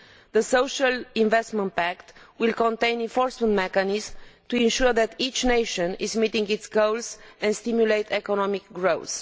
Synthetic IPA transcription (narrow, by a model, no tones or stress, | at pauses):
ðəsowʃalĩnvɛst̪mə̃nt̪̚pækt̪wilkɔ̃nt̪ẽj̃nĩnfɔɹsmə̃nt̪mɛkanizmt̪uĩnʃuɾðɛt̪it͡ʃnejʃə̃nizmit̪ĩŋɡit̪sɡolsɛ̃nst̪imjulejt̪ʰɛkɔnɔmikɡɹows